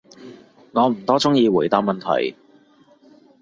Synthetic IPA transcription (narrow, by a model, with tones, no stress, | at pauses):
ŋɔː˨˧m̩˨˩t̪ɔː˥t͡sʊ˥ŋjiː˨˧wuː˨˩jt̪aː˧p̚mɐ˨nt̪ʰɐ̰˨˩j